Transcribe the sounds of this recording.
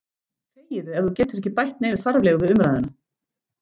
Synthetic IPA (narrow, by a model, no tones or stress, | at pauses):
feːjɪðʏɛɾðucɛːt̪ʏɾɛhcːɪpajht̪̚nejnʏfaɾvlɛːɣʏvɪðʏmɾajðʏna